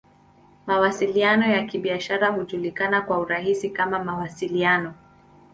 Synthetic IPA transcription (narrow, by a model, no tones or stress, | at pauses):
mawasilianɔjakiɓiaʃaɾahuʄulikanakwauɾaɦisikamamawasilianɔ